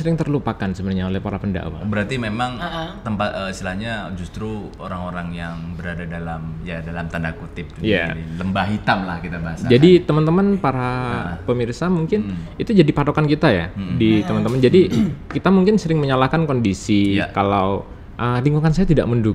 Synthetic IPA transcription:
səɾɪŋt̪ərlupakansəbənaɲaolɛhpaɾapənda̰wa̰bəɾart̪imemaŋt̪əmpat̪əist̪ilahɲad͡ʒust̪ɾu | oɾaŋoɾaŋjaŋbəɾadadalamjadalamt̪andakut̪ɪp̚duija̰iləmbaɦit̪amlahkit̪abaɦasad͡ʒadit̪əmant̪əmanpaɾapəmirsamuŋkɪnit̪ud͡ʒadipat̪okankit̪aja̰dit̪əmant̪əmənd͡ʒadikit̪amuŋkɪnsəɾɪŋməɲalahkankondisiakalaw | ʔəliŋkukans̬ajat̪ida̰ʔməndu

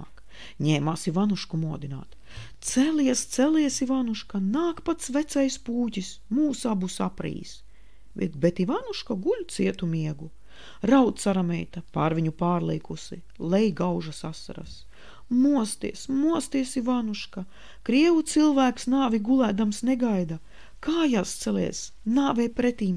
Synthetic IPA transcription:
k | ɲɛːmaːsivanuʃkumuɔd̪ina̰ːt̪ | t̪sɛliɛst̪seliɛsivanuʃkanaːkpat̪svɛt̪sɛjspuːcis | muːsabusapɾḭːs | bɛ̰t̪bɛt̪ivanuʃkaɡulʲt̪siɛt̪umiɛɡu | ɾawt̪saɾamɛjt̪ɐpaɾvʲiɲupaːɾlˠejkusi | lˠɛjɡawʒasasːa̰ɾa̰s | muɔst̪ḭɛsmuɔst̪iɛsivanuʃka | kɾiɛvut̪silˠvæːksnaːvʲiɡulˠæːd̪amsneɡajd̪ɐ | kaːjast̪selḭɛs | naːvejpɾet̪iːm

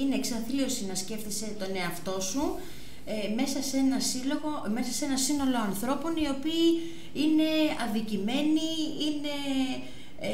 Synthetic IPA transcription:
ine̞ːksɐθlio̞sinɐsce̞fθise̞t̪o̞ne̞ɐft̪o̞su | eme̞sɐsenɐsilo̞ɣome̞sɐse̞nɐsino̞lo̞ɐnθɾo̞po̞nio̞piː | ine̞ɐnðicime̞niine̞

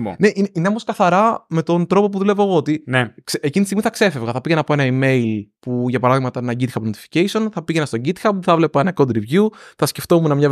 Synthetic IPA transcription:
ne̞ʔinineomoskɐθɐɾɐme̞t̪o̞nt̪ɾo̞po̞p̬uðulevoːɣoot̪ineksecint̪ist̪ɣmiθɐkse̞fe̞vɣɐθɐpiʝenɐpoe̞nɐime̞ilpuʝɐpɐɾɐðiɣmɐt̪ɐenɐɟit̪xɐpnot̪i̥fi̥ceiso̞nθɐpiʝenɐst̪o̞ɟit̪xɐp̚ːuθɐvle̞pɐenɐkod̪ɾivʝuθɐsce̞ft̪o̞munɐmɲɐ

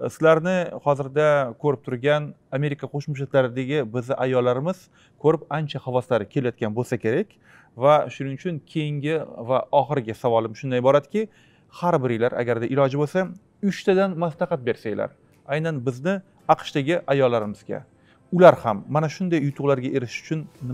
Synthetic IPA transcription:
sɪlaɾnɪhɒzɪɾd̪akʰɵɾɪp̚t̪ʰʊɾɡʲaname̞ɾɪkʰaqʰoʃmʊʃ̬lɪk̪laɾɪd̪aɡʲɪbɪzɪʔajɒlːaɾɪmɪz̥ | kʰɵɾɪpant͡ʃʰahavɒslaɾɪkʲʰe̞lajɒt̪ɡʲanbolˠsakʲe̞ɾakʲ | vaʃʊnɪŋʊt͡ʃʰʊŋkʲʰe̞jɪŋɡʲɪvaɒχɨɾɪɡʲasavɒlˠɪmʃʊnd̪ajbɒɾad̪ɪkʲɪ | haɾbɪɾɪjlaɾʔa̰ɡʲaɾd̪aʔɪlɒd͡ʒɪbolˠsa | ʊt͡ʃt̪ʰad̪anmaslˠɑqɑt̪̚be̞ɾsajla̰ɾ | ajnanbɪznɪ | ɑqʰʃd̪aɡʲɪʔajɒlːaɾɪmɪz̥ɡʲa̰ | ʊlaɾhamːanaʃʊnd̪ajːʊt̪ʰʊʁlaɾɡʲaʔe̞ɾɪʃʊ̥t͡ʃʰʊnːɪ

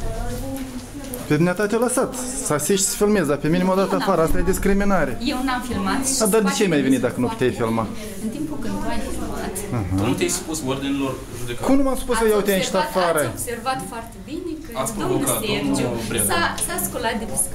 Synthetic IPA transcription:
ped̪ʲinʲet̪at̪elasat̪ | səasiʃt̪ʲsə̥filme̞zd̪apeminimod̪at̪əafaɾəast̪ajed̪ʲiskɾiminaɾejewnamfilmat̪ad̪ard̪et͡ʃeajmajvenit̪d̪akənupu̥t̪ʲejfilma | ɨnt̪impukənajfilmat̪ɨɦ̪uut̪ʲejsu̥pusord̪inilor | ʒud̪ekkumnumaspuskəjawut̪ʲeanʃt̪afaɾəobservat̪foart̪ebinekaspookabɾasaskolat̪̚d̪es

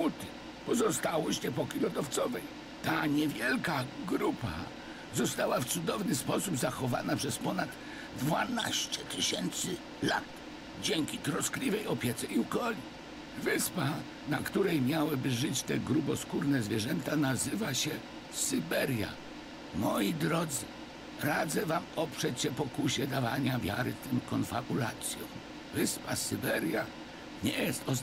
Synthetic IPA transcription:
ut̪ɘ̥ | pɔzɔst̪awɔɕɲɛpɔkʲilɔd̪ɔft̪sɔvɛj | t̪aɲɛvʲjɛlkaɡɾupa̰ | zɔst̪awaft̪sud̪ɔvnɘspɔsubzaxɔva̰napʂɛspɔnad̪ | d̪vana̰ɕt͡ɕɛt̪ɨɕɛnt̪sɘ | la̰t̪ | d͡ʑɛŋkʲit̪ɾɔsklʲivɛjɔpʲjɛt̪sɛukɔlʲi | vɘspa | nakt̪uɾɛjmʲjawɘbɘʐɘt͡ɕt̪ɛɡɾubɔskuɾnɛzvʲjɛʐɛnt̪anazɘvaɕɛ | sɨbɛɾja̰ | mɔjid̪ɾɔd̪zɨ | ɾad̪zɛvamɔpʂɛt͡ɕɕɛpɔkuɕɛd̪avaɲavʲja̰ɾɘ̰ft̪ɛmkɔnfabulat̪sʲjɔ̃w̃ | vɘspasɨbɛɾja | ɲɛjɛst̪ɔ

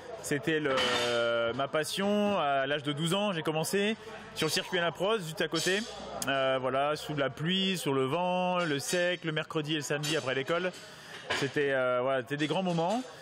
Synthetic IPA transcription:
set̪ɛlə | mapasjɔ̃alaʒd̪əd̪uzɑ̃ʒekɔmɑ̃se | syʁləsiʁkʲɥianapχɔzʒyst̪akot̪e | øvwalasulaplɥisyʁləvɑ̃ləsɛkləmɛʁkχəd̪ieləsamd̪iapχɛlekɔl | set̪ɛøvwalaset̪ɛd̪eɡʁɑ̃mɔmɑ̃

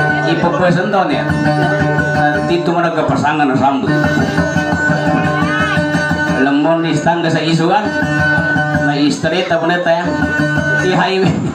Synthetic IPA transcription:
ipokuɛsənt̪ɔnja̰ | at̪it̪umaɾakəpasaŋanasambut̪̚ | ləmːɔnːist̪aŋɡəsais̬uan | naist̪ɾit̪apənet̪aja | iɦaiwe

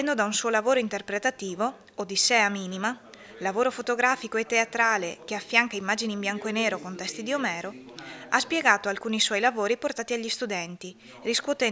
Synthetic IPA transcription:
ɛnd̪od̪aunsuːolavoːɾoint̪erpɾet̪at̪iːvo | od̪isɛːamiːnima | lavoːɾofot̪oɡɾaːfikoet̪ːeat̪ɾaːlek̟eafːjaŋkaimːaːd͡ʒinimbjaŋkoenːeːɾokont̪ɛst̪id̪iomɛːɾoaspjeɡaːt̪oalkuːniswɔjlavoːɾiport̪aːt̪iaʎːist̪ud̪ɛnt̪i | riskwot̪ɛ

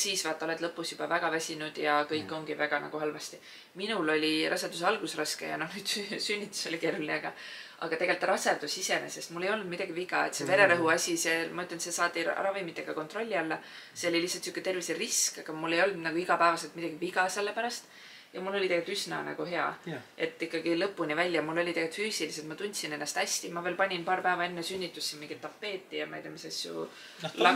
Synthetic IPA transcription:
siːsvɑt̪ːˑo̞let̪lɤpːˑusjub̥ɑvæɡ̥ɑvæsʲinud̪̥jɑkɤjkːˑo̞ŋɡivæɡ̥ɑnɑ̰ɡ̥uhɑlvɑst̪i | minulo̞lʲiɾʔɑsɑt̪d̪us̬eɑlɡ̥usrɑskḛjɑ̰no̞hnyːd̪̥ssynʲːit̪ːˑu̥so̞like̞ːɾulineɑɡ̥ɑ | ɑ̰ɡ̥ɑt̪e̞ɡe̞lt̪ːˑrɑserd̪usise̞nese̞st̪mulːe̞jo̞lnud̪mid̪̥ɑɡ̥iviɡ̥ɑe̞̰t̪se̞ve̞ɾe̞ɾɤɦuɑsʲisemɑyt̪ːˑlɑnt̪se̞sɑːt̪ʲːḭrɑvimit̪ːˑe̞ɡ̥ɑko̞nt̪ro̞lʲːiɑlːɑ | se̞olilihsːɑlt̪sukːˑe̞t̪e̞rviseriskɑɡ̥ɑmulːe̞jo̞ld̪̥nɑɡuiɡɑpæevɑse̞lt̪mid̥̪ɑɡ̥iviɡ̥ɑse̞lːe̞pæɾɑst̪ | jɑmulːo̞lʲit̪eɡelt̪ysnɑnɑ̰ɡ̥uhe̞ɑ̰ʔe̞t̪ːˑikːɑɡ̥ilɤpːunʲivælʲjɑmulːo̞lʲit̪eɡelt̪fyːsiliset̪mɑt̪unʲt̪sine̞nːɑst̪æsʲt̪imɑve̞ːlpɑnʲinpɑːɾpæːvɑe̞nːesynʲːit̪ːˑusːinmiŋɡ̥id̪̚t̪ːɑpːe̞ːt̪ːˑijɑmɑet̪ɑmisɑsjṵ | lɑ

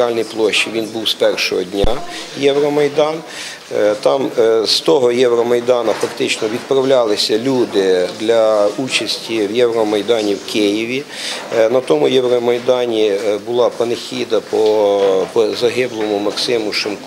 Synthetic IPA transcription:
ɑlʲnijplˠɔʃt͡ʃːiʋʲinbuwspɛrʃɔ̰ɦɔdʲnʲa | jɛʋɾɔmɐjd̪ɑn | t̪ɑmst̪ɔɦɔjɛwɾɔmɐjd̪ɑnɐfɐkt̪ɪt͡ʃnɔʋʲid̪̚pɾɐwlʲɑlˠɪsʲɐlʲud̪ɪd̪lʲɐut͡ʃɐsʲtʲiwjɛwɾɔmɐjd̪ɑnʲiwkɪjiʋʲi | nɐt̪ɔmʊjɛwɾɔmɐjd̪ɑnʲibʊlˠɑpɐnexʲid̪ɐpɔpɔzɐɦɪblˠɔmʊmɐksɪmʊʃɪmk

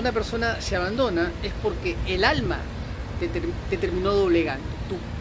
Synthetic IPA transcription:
unape̞ɾso̞naseaβand̪o̞naespo̞ɾkeːlalma̰ | t̪ed̪̥et̪eɾmĩno̞ðo̞βle̞ɣant̪et̪u

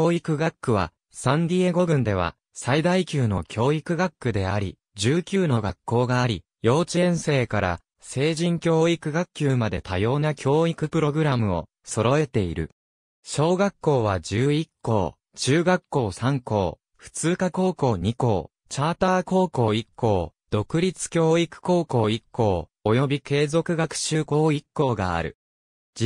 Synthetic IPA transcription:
oːikɯ̟ɡakːɯ̟βa̰ | sãnd̪ʲieɡo̞ɡɯ̟̃nd̪e̞β̞a̰ | said̪aikʲɨːno̞̰kʲʰo̞ːikɯ̟ɡakːɯ̟d̪e̞aɾʲḭ | d͡ʑɨːkʲɨːno̞ɡakːo̞ːɡaːɾʲi | jo̞ːt͡ɕĩɰ̃se̞ːkaɾa̰ | se̞ːʑĩŋkʲo̞ːikɯ̟ɡakkʲːɨːmad̪e̞t̪ʰajo̞ːnakʲʰo̞ːikɯ̟pɯ̟ɾo̞ɡɯ̟ɾamɯ̟o̞̰ | so̞ɾo̞e̞t̪e̞iɾɯ̟̰ | ɕo̞ːɡakːo̞ːβ̞ad͡ʑɨːikːo̞̰ː | t͡ɕɨːɡakːo̞ːsãŋko̞̰ː | ɸɯ̟̥t͡sɨːkako̞ːko̞ːɲ̟iko̞ː | t͡ɕaːt̪aːko̞ːko̞ːikːo̞ːd̪̥o̞kɯ̟ɾʲit͡sɨ̥kʲo̞ːikɯ̟̥ko̞ːko̞ːikːo̞ː | ojo̞bʲike̞ːzo̞kɯ̟ɡakɯ̟̥ɕɨːko̞ːikːo̞ːɡa̰a̰ɾɯ̟̰ | d͡ʑi

